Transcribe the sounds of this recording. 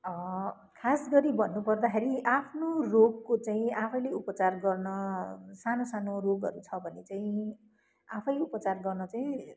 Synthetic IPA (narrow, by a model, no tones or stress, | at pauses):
ʌ | kʰasɡʌɾibʱʌnːupʌrd̪akeɾiʔapʰnoroɡ̚kot͡saĩapʰʌjleupʌt͡sarɡʌrnʌsanosanoroɡɦʌ̰ɾut͡sʰʌbʱʌnet͡saĩ | apʰʌjupʌt͡sarɡʌrnʌt͡saĩ